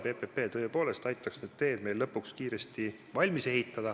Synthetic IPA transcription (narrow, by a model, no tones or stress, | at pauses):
be̞pepe̞ːt̪ɤ̞epo̞ːle̞st̪ɑjt̪ːˑɑksnyd̪̚t̪e̞ːd̪̚me̞jllɤpːˑukskiːɾe̞st̪i | vɑlʲmise̞ɦit̪ˑːɑd̪ɑ